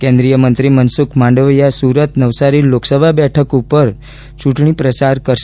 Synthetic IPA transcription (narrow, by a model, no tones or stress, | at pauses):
kẽnd̪ɾijəmənt̪ɾimənsukʰmãɳɖʋəjasuɾət̪nəʋsaɾiloksəbʱabɛʈʰəkupəɾ | t͡ʃũʈɳ̃ipɾət͡ʃaɾkəɾʃ